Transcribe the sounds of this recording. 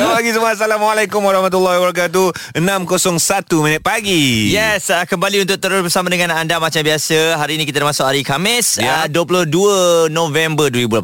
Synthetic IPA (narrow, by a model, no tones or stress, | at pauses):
paɡisəməas̬alamalakumwaɾɑhmat̪ulːɔwabəɾakat̪̬uənãmkosɔŋsat̪umĩnɪt̪̚paɡijɛsəkəmbaliunt̪ʊk̚t̪əɾʊsbərsamadəŋãnandamat͡ʃambiasəɦaɾiːnikit̪adəmasʊkhaɾikamɪsəduəp̬ulʊhduənõvɛmbərduibul